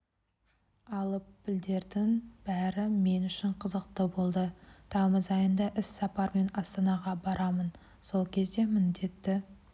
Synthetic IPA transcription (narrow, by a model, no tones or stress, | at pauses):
ɑlˠəpːɪld̪e̞ɾd̪ɪŋb̥æɾɪme̞nʏʃɪɴqʰəzəq̚t̪əbo̞lˠd̪ət̪ʰɑməzɑjənd̪ɑʔɪsːɑpɑɾme̞nɑst̪ɑnɑʁɑbɑɾɑmən | so̞lˠkʲʰe̞zd̪e̞mɪnd̪e̞t̪ːɪ